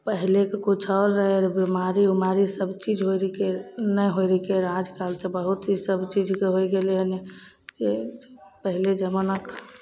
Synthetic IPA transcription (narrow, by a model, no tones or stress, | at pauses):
pəɦilekekut͡ʃʰɔɾːəɦeɾbimaɾiumaɾisəbt͡ʃid͡ʒʱɦoɾikenəjɦoɾikeɾad͡ʒkalt̪ebəɦut̪isəbt͡ʃid͡ʒʱkeɦojɡeleɦəne | d͡ʒepəɦiled͡ʒəmənək